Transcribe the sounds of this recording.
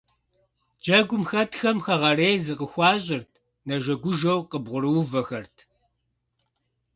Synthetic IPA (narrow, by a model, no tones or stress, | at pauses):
d͡ʒɐɡʷʊmxɐtʰxɐmxɐʁɐreːjzɨqəxʷɑːɕʼɪrtʰ | nɐʒɐɡʷʊʒɐwqəbʁʷʊɾɨwvɐxɐrtʰ